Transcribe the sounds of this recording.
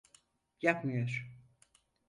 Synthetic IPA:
jakmɯjoɾ̥

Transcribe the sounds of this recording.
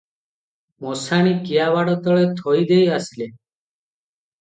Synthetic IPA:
mɔsaɽ̃ikiabaɽɔt̪ɔɭet̪ʰɔjd̪ejasile

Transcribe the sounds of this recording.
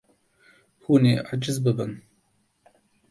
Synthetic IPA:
xuːneːʔad͡ʒɨzbɨbɨn

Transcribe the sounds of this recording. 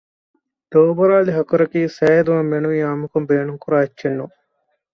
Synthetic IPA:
d̪oːbɐɾaːliɦɐkuɾɐkiːsɛːɐd̪uʋɐmːenuʋiaːmukumbeːɳuŋkuɾaːit͡ʃːenːu

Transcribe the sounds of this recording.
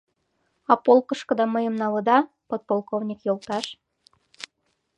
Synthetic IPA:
ɑpolˠkɤ̆ʃkɤ̆d̪ɑmə̆jə̆mnɑlɤ̆d̪ɑ | pot̪̚polˠkovnʲikjolˠt̪ɑʃ

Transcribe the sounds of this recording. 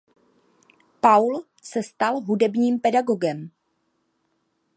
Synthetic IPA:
pawl | sɛst̪alɦudɛbɲiːmpɛdaɡoɡɛm

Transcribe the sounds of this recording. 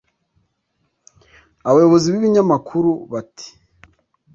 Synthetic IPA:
aβajo̞βo̞ziβiβiɲamakʰuɾuβatʰi̥

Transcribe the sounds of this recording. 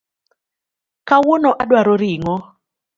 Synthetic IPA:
kawonɔʔadwaɾoɾiŋɔ

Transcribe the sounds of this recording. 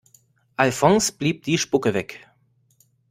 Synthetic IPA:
ʔalfɔŋsb̥liːp̚d̥iːʃpʊkəvɛk

